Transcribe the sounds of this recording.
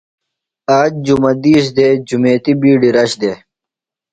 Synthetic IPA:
aːd͡ʑ̚d͡ʑumɐd̪iːs̬d̪eːd͡ʑumeːt̪ibiːɖiɾɐɕd̪e

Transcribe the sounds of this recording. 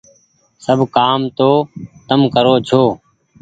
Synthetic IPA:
səbʱkaːmt̪oːt̪əmkəɾoːt͡ʃʰoː

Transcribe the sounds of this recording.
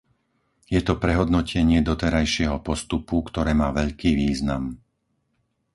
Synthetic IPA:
jɛt̪ɔpɾɛɦɔd̪nɔcɛɲɪɛd̪ɔt̪ɛɾajʃɪɛɦɔpɔst̪upukt̪ɔɾɛːmaːʋɛʎkiːʋiːznam

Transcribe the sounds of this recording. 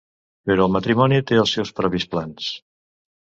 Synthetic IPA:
peɾɔəlˠmət̪ɾimɔnit̪eəlˠsːɛwspɾɔβisplans

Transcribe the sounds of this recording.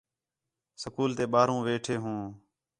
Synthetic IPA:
səkuːlt̪eːɓaːɾũːʋeːʈʰeːɦũː

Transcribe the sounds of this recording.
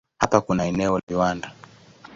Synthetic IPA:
hapakunaɛnɛɔlviwanda

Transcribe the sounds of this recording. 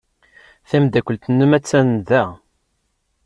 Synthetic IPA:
θæmd̪ækʷːəlt̪ənːumæt͡sːænðæ

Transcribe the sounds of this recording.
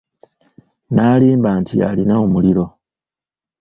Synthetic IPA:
naːliːmbaːntʰḭa̰linaomuliɾo̞

